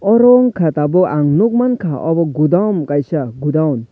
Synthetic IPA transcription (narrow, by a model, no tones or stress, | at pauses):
ɔɾɔŋkʰat̪abɔʔaŋnuk̚mankʰaʔɔbɔɡud̪awmkajsaɡud̪awn